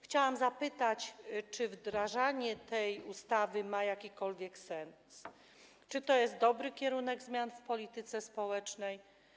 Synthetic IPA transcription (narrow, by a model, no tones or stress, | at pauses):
xt͡ɕawamzapɘt̪at͡ɕt͡ʂɘvd̪ɾaʐaɲɛt̪ɛjust̪avɘmajakʲikɔlvʲjɛksɛns | t͡ʂɘt̪ɔjɛst̪̚d̪ɔbɾɘkʲɛɾunɛɡzmʲjanfpɔlʲit̪ɘt̪sɛspɔwɛt͡ʂnɛj